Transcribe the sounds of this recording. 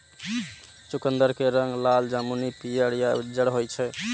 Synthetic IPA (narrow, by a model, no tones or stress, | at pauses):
t͡ʃukənd̪əɾkeɾəŋɡlald͡ʒamunipijəɽijad͡ʒəɽɦojt͡ʃʰɛ